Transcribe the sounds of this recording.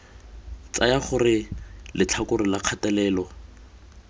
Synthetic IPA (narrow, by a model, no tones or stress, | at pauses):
t͡sajaχʊrɪlɪt͡ɬʰakʊrɪlaq͡χʰatɛlɛːlɔ